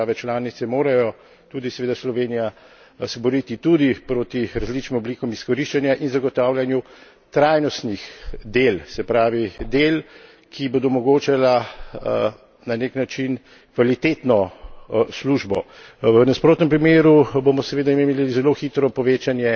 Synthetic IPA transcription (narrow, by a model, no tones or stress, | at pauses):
aːʋɛt͡ʃlaːnit̪sɛmoːɾajɔ | t̪uːd̪isɛʋeːd̪aslɔʋeːnija | sɛbɔɾit̪it̪ud̪ipɾoːt̪iɾazlit͡ʃnimɔblikɔmiskɔɾiʃt͡ʃanjaʔinzaɡɔt̪aːwlʲjanju | t̪ɾajnɔst̪nixd̪elsɛpɾaːʋid̪el | kʰibod̪ɔmɔɡoːt͡ʃala | naneknat͡ʃin | kʋalit̪et̪nɔ | sluʒbɔʋənaspɾoːt̪nɛmpɾimeːɾubomɔsɛʋeːd̪aimeliizɛloxit̪ɾɔpɔʋeːt͡ʃanjɛ